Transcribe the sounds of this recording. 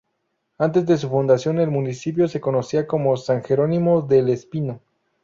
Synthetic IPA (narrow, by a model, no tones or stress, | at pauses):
ant̪̬e̞zðe̞s̬ufund̪asjo̞ne̞lmũnisip̬jo̞se̞ko̞no̞siako̞mo̞saŋxe̞ɾo̞nimo̞ðelespino